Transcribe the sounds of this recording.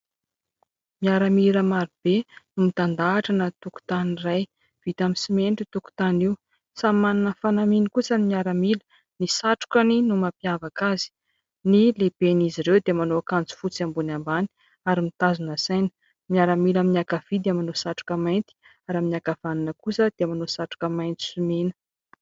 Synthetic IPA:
miaɾamiləmaɾib̥enumit̪and̪aːʈ͡ʂanət̪uku̥t̪aniraj | v̥it̪amisimeɳʈ͡ʂit̪uku̥t̪aniw | sammːananəfanaminikut͡sanimiaɾəmilə̥ | nisaʈ͡ʂu̥kaninumapiavakazi̥ | nileb̥eniziɾewd̪emanoakand͡zu̥fut͡siambunambani̥ | aɾimit̪azunəsajnə̥ | miaɾamilaminiakav̥id̪eəmanosaʈ͡ʂu̥kəmajnt̪i̥ | aɾaminakav̥aninəkusəd̪̥emanosaʈ͡ʂu̥kəmajnt̪i̥sumenə̥

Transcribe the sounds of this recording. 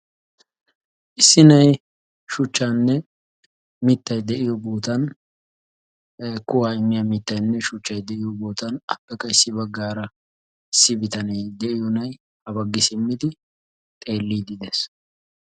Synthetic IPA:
ʔɪsːɪnɐj | ʃʊt͡ʃːaːnːɛ | mɪt̪ːɐjd̪ɛʔɪjɔboːt̪ɐn | kʊwaːɪmːɪjamɪt̪ːɐjnːɛʃʊt͡ʃːɐjd̪ɛʔɪjɔboːt̪ɐnɐpːɛkːɐɪsːɪbɐɡːaːɾɐ | ɪsːɪbɪt̪ɐnɐjd̪ɛʔɪjɔnɐj | hɐbɐɡːɪsɪmːɪd̪ɪ | t̪ʼe̞ːlːiːd̪ɪd̪ɛs

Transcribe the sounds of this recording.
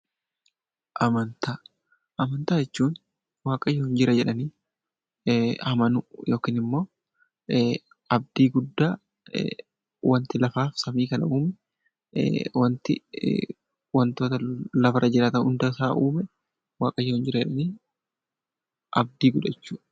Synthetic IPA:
ʔɐmɐnt̪aː | ʔɐmɐnt̪aːd͡ʒɛt͡ʃːuːn | waːkʼɐjːɔːhɪnd͡ʒɪɾɐd͡ʒɛᶑɐniː | hɐmɐnʊjo̞ːkiːnɪmːo̞ː | ɐb̚d̪iːɡʊd̪ːaː | wɐnt̪ɪlɐfaːfsɐmiːkɐnɐ̰uːmɛ | wɐnt̪ɪ | wɐnt̪oːt̪ɐlɐfɐɾʔɐd͡ʒɪɾaːt̪ɐnʊnd̪ɐsaːʔuːmɛ | waːkʼɐjːohɪnd͡ʒɪɾɐd͡ʒɛᶑɐniː | ʔɐb̚d̪iːɡʊᶑɐɛt͡ʃːuːᶑɐ̥

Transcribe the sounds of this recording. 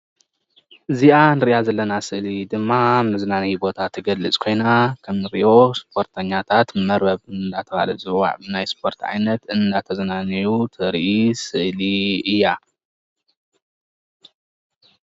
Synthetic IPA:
ʔɨziʔanɨɾiʔazɐlːɐnasɨʔlid̪ɨmːamnɨzɨnanɐjbo̞t̪ʰat̪ʰːɨɡɐlːɨt͡sʼkʰo̞jnakʰɐmnɨɾiʔo̞spʰo̞ɾt̪ʰɐɲːat̪ʰat̪mɐɾbɐβɨnnd̪at̪ʰɐba̰lɐzʼɨwa̰ʕbɨnajspʰo̞ɾt̪ʕa̰jnɐt̪ɨnd̪at̪ʰɐzɐnanɐjut̪ʰɨɾʔisɨʔliɨjːa

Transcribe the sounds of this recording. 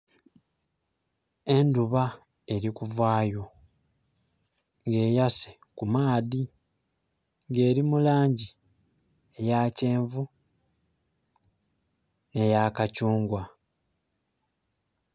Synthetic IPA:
e̞nduβa | e̞ɾikuvwaːjo̞ | ŋɡe̞ːjase | kumaːði | ŋɡe̞ːɾimulaːɲɟi | ejace̞ːɱvu | ne̞jakacuːŋɡwa

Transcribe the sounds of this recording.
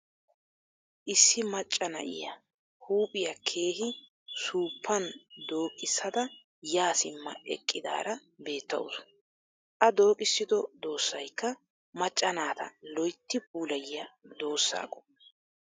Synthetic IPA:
ʔɪsːɪmɐt͡ʃʼːɐnɐ̰ʔɪ̰jɐ̰ | huːpʼɪjɐkʰe̞ːɦɪ | suːpʰːɐnd̪o̞ːkʼɪsːɐd̪ɐ | jaːsɪmːɐ̰ɛ̰kʼːɪd̪a̰ːɾɐbe̞ːt̪ːɐ̰wʊ̰sʊ̥ | ʔɐd̪o̞ːkʼɪsːɪd̪ɔd̪o̞ːsːɐjkːɐ | mɐt͡ʃʼːɐnaːt̪ɐ̰lɔjt̪ːɪb̚uːlɐjɪjɐd̪o̞ːsːa̰ːkʼɔ̥

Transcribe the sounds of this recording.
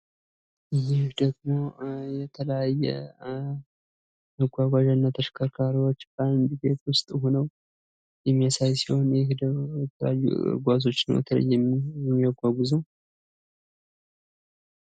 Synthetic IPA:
ʔɨjɪhd̪əɡmo̞jɛt̪ʰələjajːɛ̰ | məɡʷaɡʷaʒanːat̪ʰəʃkʰəɾkʰaɾiwo̞t͡ʃːbənd̪iɡet̪wʊst̪ʼɦonəw | jɛmːijasajsiho̞nhd̪əjɛt̪ʰəl̰ajːṵɨ̰ɡʷazo̞t͡ʃːnəwjɛ̰t̪ʰələ̰jːɛmiɛmːiaɡʷaɡʷuzu

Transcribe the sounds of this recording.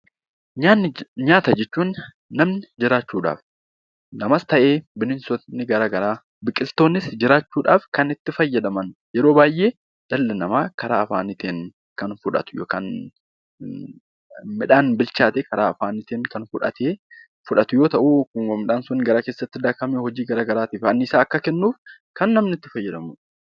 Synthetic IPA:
ɲanɲaːt̪ɐd͡ʒɛt͡ʃːuːnː | ɐmnɪd͡ʒɪɾaːt͡ʃːuːᶑa̰ːf | nɐmɐst̪ɐʔe̞ːbɪnɪnsɔnːɪɡɐɾaːɡɐɾaː | bɪkʼːɪlt̪o̞ːnːɪsd͡ʒɪɾaːt͡ʃːuːᶑaːfkɐnɪt̪ːɪfɐjːɐd̪ɐmɐnjɛɾo̞ːbaːjʔeː | d̪̥ɐlːɛnɐmaːkɐɾaːɐfaːnɪt̪eːŋ | kɐnfʊᶑɐ̰t̪ʊ̥jokɐn | mɪᶑaːnbɪlt͡ʃaːt̪ekɐɾaːɐfaːnɪt̪ɪːnkɐnfʊᶑɐ̰t̪ʰeː | fʊᶑɐt̪ʊjo̞ːt̪ɐʔumːɪᶑaːnsʊnːɪɡɐɾaːkeːsːɐt̪ːɪd̪ɐkɐmeːhɔd͡ʒiːɡɐɾaːɡɐɾaːt̪ɪːfɐnːɪsaːɐkːɐkɛnːuːfkɐnːɐmnɪt̪ːɪfɐjːɐd̪ɐmʊᶑ

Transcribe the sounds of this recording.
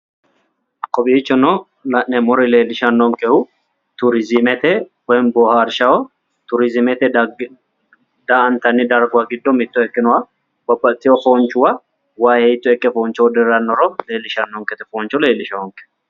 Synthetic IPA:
kɔbiːt͡ʃːɔnɔ | lɐʔnɛmɔɾɪle̞ːlɪʃɐnːɔŋkɛhʊ | t̪ʊɾɪzɪmɛt̪ɛwɛnbɔhaɾʃɐɔ | t̪ʊɾɪzɪmɛt̪ɛ | d̪aɐnt̪ɐnːɪd̪ɐɾɡaɡɪd̪ːɔmɪt̪ːʊɛkːɪnʊɐ | b̥ɐbːɐt̪ʼːɪjɔfoːnt͡ʃʊwɐ | waːjɛɪt̪ːʊɛkːɛfoːnt͡ʃɔd̪ɛɾɐnːɔɾɔleːlɪʃɐnːɔŋkɛt̪ɛ̥foːnt͡ʃɔle̞ːlɪʃɐɔŋkɛ̥

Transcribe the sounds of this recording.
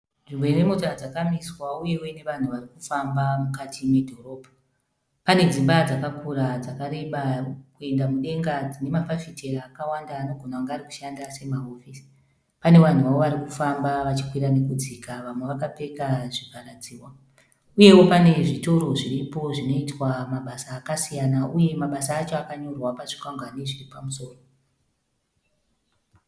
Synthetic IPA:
ʐimwe̞ɾemotoad͡zakamiswauje̞woine̞ʋan̤uʋarikufambamukatʰimwe̞dʱo̞ro̞ːbʱa | pane̞d͡zimbad͡zakakuɾad͡zakaɾe̞ɓakue̞ndamuɗe̞ŋɡad͡zine̞mapafitʰe̞raːkawandaːno̞ɡʱonaaŋɡaːɾiku̥ʃandase̞maɦofisi̥ | pane̞ʋan̤uʋao̞ʋaɾikufambaʋat͡ʃi̥kwiɾane̞kud͡zikaʋamwe̞ʋakape̞kaʐipaɾad͡ziːwa | uje̞wo̞pane̞ʐito̞ɾo̞ʐiripo̞ʐino̞itwamaɓasaːkasijanaʔuje̞maɓasaːt͡ʃo̞akaɲo̞rwapaʐ̥i̥kaŋɡwaneʐiripamuso̞ːro

